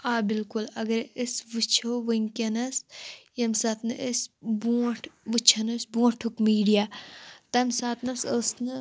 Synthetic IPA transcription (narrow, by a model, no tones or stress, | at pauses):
aːbilkulɐɡɐɾəsʋɨt͡ʃʰoʋɨŋʲkʲɐnɐsjɐmsaːt̪nɨʔəsbuːʈʰʋɨt͡ʃʰɐnɐsbuːɐʈʰukmiːɖijaːt̪ɐmsaːt̪nɐsəːsnɨ